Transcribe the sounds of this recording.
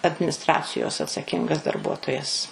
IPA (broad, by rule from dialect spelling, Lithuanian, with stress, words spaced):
ɐdʲmʲɪnʲɪsˈtrɑːt͡sʲɪjoːs ɐtsɐˈkʲɪŋɡɐs dɐrˈbuɔtoːjɛs